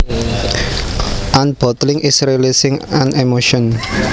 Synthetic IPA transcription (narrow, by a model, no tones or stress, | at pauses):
ʔanb̥ɔ̤t̪lɪŋʔisɾelisɪŋanemoʃɔn